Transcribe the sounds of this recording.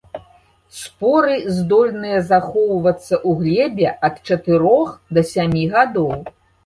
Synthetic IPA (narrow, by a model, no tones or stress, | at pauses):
spɔɾɨzd̪ɔlʲnɨjɐzaxɔwvɐt̪sːɐʔuɣlʲɛbʲɛʔɐt̪̚t͡ʂɐt̪ɨɾɔxd̪ɐsʲamʲiɣad̪ɔw